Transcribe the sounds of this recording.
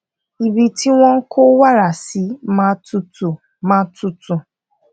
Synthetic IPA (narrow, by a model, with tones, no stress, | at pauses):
i˨bi˨ti˦w̃ʷɔ̃˦ŋ̩˦ko˦wa˦ɾa˨si˨˦mã˦tu˦tu˨ | mã˦tu˦tu˨